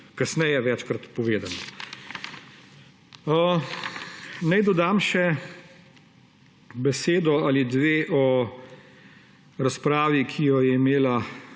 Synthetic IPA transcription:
kɐsnɛjɛʋɛt͡ʃkɾat̪pɔʋeːd̪anɔ | ə | nɛjd̪ɔd̪amʃɛ | bɛseːd̪ɔalid̪ʋeːʔɔ | ɾaspɾaːʋikʰijɔjɛimeːla

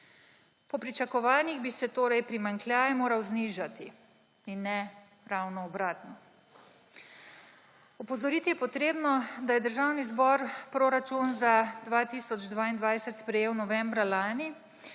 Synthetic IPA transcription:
pɔpɾit͡ʃakɔʋaːniɣbisɛt̪oːɾɛjpɾimaŋklʲjaːjɛmoːɾawzniʒat̪i | inːɛ | ɾawnɔːbɾaːt̪nɔ | ɔpɔzɔɾiːt̪ijɛpɔt̪ɾeːbnɔd̪ajɛd̪əɾʒaːwnizbɔɾpɾoɾat͡ʃunzad̪ʋat̪iːsɔd͡ʒd̪ʋaːind̪ʋajsɛt̪spɾɛjeːwnɔʋɛmbɾalaːni

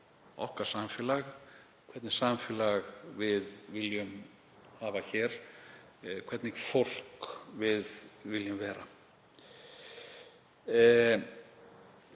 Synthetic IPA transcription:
ɔ̰hkḁsamfɪːlaɣ | kʰvɛɾt̪nɪ̥saːmfɪlaɣvɪðvɪljʏm | haːvaçɛɾ̥ | kʰvɛɾt̪nɪɣfowl̥kvɪðvɪljʏmvɛːɾa

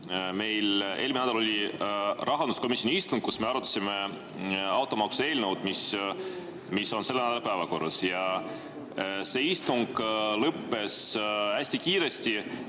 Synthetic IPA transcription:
me̞jle̞̰lminæd̪ɑlo̞lirʔɑɦɑnd̪usko̞misʲjoniist̪uŋɡ̥̚kusme̞ɑɾut̪ːˑɑ̥sime̞ | ɑwt̪ːˑomɑkse̞ːlnəwd̪̥mis | misːo̞nse̞lːenæd̪ɑlpævɑko̞rːɑsjɑ | se̞ːist̪uŋɡ̥lɤpːe̞sæsʲt̪ikiːɾe̞st̪i

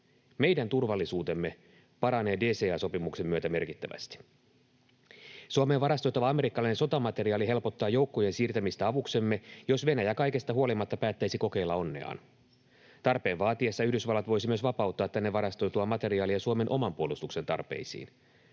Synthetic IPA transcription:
me̞jdænt̪urʋɑlːisuːt̪e̞mːe̞ | pɑɾɑne̞ːde̞ːse̞ːɑːso̞pimukse̞mːyøt̪æme̞rkit̪ːæʋæ̰st̪i̥ | suome̞ːʋɑɾɑst̪o̞jt̪ːɑʋɑɑme̞ɾikːɑlɑinesot̪ɑmɑt̪e̞riɑːliɦe̞lpo̞t̪ːɑːjo̞uwkːo̞je̞nsiːrt̪æmist̪æɑʋukse̞mːe̞jo̞sʋe̞næjækɑjke̞st̪ɑɦuo̞limɑt̪ːɑpæːt̪ːæjsiko̞ke̞ilːɑo̞nːḛɑ̰ːn | t̪ɑrpe̞ːnʋɑːt̪iesːɑyhdysʋɑlːɑt̪ʋo̞jsimyøsʋɑpɑut̪ːɑːt̪ːænːeʋɑɾɑst̪o̞jt̪uɑmɑt̪e̞ɾiɑːliɑsuome̞nʔo̞mɑmpuolust̪ukse̞nt̪ɑ̰rpe̞̰isḭːn

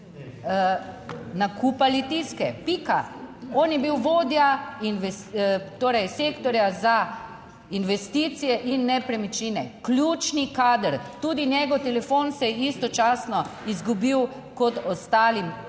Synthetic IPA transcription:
nakʰupalit̪iskɛpika̰ɔːnjɛbiwʋoːd̪jainʋɛst̪oːɾɛjseːkt̪ɔɾjaza | inʋɛst̪iːt̪sijɛʔinːɛpɾɛmit͡ʃiːnɛ̰klʲjut͡ʃnikaːd̪əɾt̪uːd̪injɛɡɔt̪ɛlɛfonsɛjist̪ɔt͡ʃaːsnɔizɡubiw | kɔt̪ɔst̪aːlim

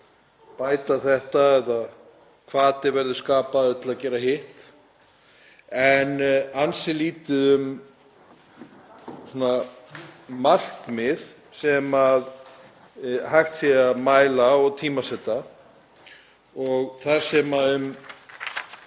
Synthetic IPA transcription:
paːjt̪aθɛht̪aɛða | kʰvaːt̪ɪvɛɾðʏskaːpaœt̪laðcɛːɾahɪht̪ | ɛnansɪliːt̪ɪʏm | suːna | mar̥kmɪð | sɛmað | hajxt̪sɛamaːjlaɔɣt̪ʰiːmasɛt̪ːa | ɔɣθḁsɛmaʏm

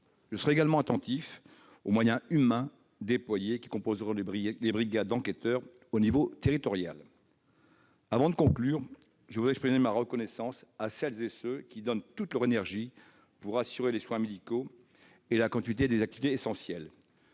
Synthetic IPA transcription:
ʒəsəʁɛeɡalmɑ̃at̪ɑ̃t̪if | omwajɛ̃ymɛ̃ | d̪eplwajekʲi̥kɔ̃pozʁɔ̃lebʁiɡad̪ɑ̃ket̪œʁ | onivot̪eʁit̪ɔʁja̰l | avɑ̃d̪əkɔ̃klyʁ | ʒəvud̪ɛkspχimemaʁəkɔnɛsɑ̃sasɛlzesøkʲid̪ɔnt̪ut̪lœʁenɛʁʒi | puʁasyʁeleswɛ̃med̪iko | elakɑ̃t̪ɥit̪ed̪ezak̚t̪ivit̪eːsɑ̃sjɛl

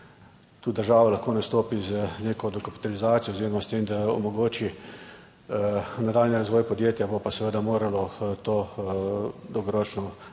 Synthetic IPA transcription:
t̪uːd̪əɾʒaːʋalaxkoːnɐst̪oːpizneːkɔd̪ɔkapi̥t̪alizaːt̪ijɔozeːɾɔmast̪eːmd̪aɔ̰mɔɡoːt͡ʃi | nad̪aːlnʲiɾazʋɔːjpɔd̪jeːt̪jabopasɛʋəd̪amoːɾalɔt̪oː | d̪ɔwɡɔɾɔt͡ʃnɔ

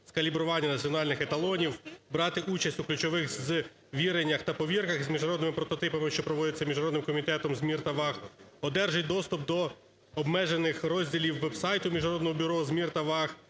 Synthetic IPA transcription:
skɐlʲibɾʊʋɑnʲːɐnɐt͡sʲiɔnɑlʲnɪxet̪ɐlˠɔnʲiwbɾɑt̪ɪʔut͡ʃɐsʲtʲuklʲʉt͡ʃɔʋɪxz | ʋʲiɾenʲːɐxt̪ɐpɔʋʲirkɐxzmʲiʒnɐɾɔd̪nɪmɪpɾɔt̪ɔt̪ɪpɐmɪʃt͡ʃɔpɾɔʋɔd̪ɪt͡sʲːɐmʲiʒnɐɾɔd̪nɪmkɔmʲit̪ɛt̪ɔmzʲmʲirt̪ɐʋɑxɔd̪ɛrʒɪj̚ʲd̪ɔst̪ʊp̚d̪ɔ | ɔbmɛʒenɪxɾɔzʲdʲilʲiwːɛbsɑjt̪ʊmʲiʒnɐɾɔd̪nɔɦɔbʲʊɾɔzʲmʲirt̪ɐʋɑx

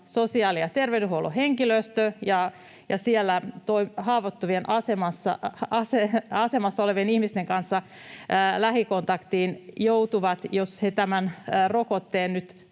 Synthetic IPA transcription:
sosiɑːlijɑt̪erʋedyhuoluheŋkiløst̪øjɑ | jɑsielːæt̪oihɑːʋot̪ːuʋienʔɑsemɑsːɑ̰ɑseɑsemɑsːɑoleʋienihmist̪eŋkɑnsːɑ | læhiko̞nt̪ɑkt̪iːnjout̪uʋɑt̪joshet̪æmænːrokot̪ːeːnnyt̪

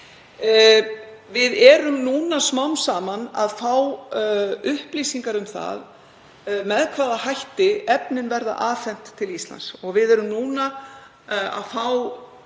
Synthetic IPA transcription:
vɪðɛɾʏmnuːnasmawnsaːmanaðfaw | ʏhpliːsiŋkaɾʏmθa̰ð | mɛðkʰvaːðaɦajht̪ɪɛpnɪnvɛɾða̰ʔaːθɛn̥t̪ʰːɪlist̪la̰nsɔɣvɪðɛɾʏmnuːna | a̰ðfaw

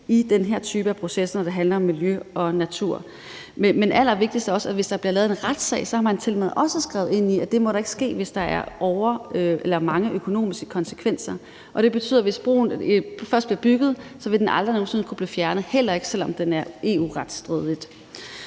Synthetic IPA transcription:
id̥enɦeɐ̰t͡sʰyːb̥əæpʰʁo̝sesnɒd̥e̝ɦænlɐɒ̽mːiljøʔɒ̽næt͡sʰuɐ̰ | mmenʔæl̰ɐʋe̝ɡ̥̚d̥isd̥æɒ̽sæʋe̝sd̥ɑb̥liɐlɛːð̩ˠe̝nʁad̥sɛ̰ɪsɒ̽hɑ̈mænt͡sʰe̝lmeð̩̰ˠʔɒ̽səsɡ̥ʁɛ̰ʊe̝n̰iæd̥e̝mɒ̽ɾɑ̈e̝ɡ̥ə̥sɡ̥e̝̰ːʋe̝sd̥ɑ̈æɐʔɒʊɐøelɐmɑ̈ŋəʔøkʰo̝no̝̰ːmisɡ̥ə̥kʰɒ̽nsə̥kʰʋen̰sɐ | ʔɒ̽ɾ̥e̝b̥e̝t͡sʰy̰ðˠɐʋe̝sb̥ʁo̰ːn̩fɶɐsd̥b̥liɐb̥yɡ̥ð̞̩ˠsɒ̽ʋe̝d̥enʔɑ̈ld̥ʁɐno̝ːn̩siːn̩əkʰub̥liːfjæɐnəð̩ˠhel̰ɐe̝ɡ̥ə̥sel̰ɒ̽md̥enæɐʔe̝ːṵːʁad̥sd̥ʁiðˠlid̥

